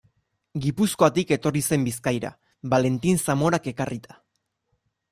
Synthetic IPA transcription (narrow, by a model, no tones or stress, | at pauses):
ɡipusko̞at̪ike̞t̪o̞rise̞mbiskajɾa̰ | βale̞nt̪insamo̞ɾake̞karit̪ḁ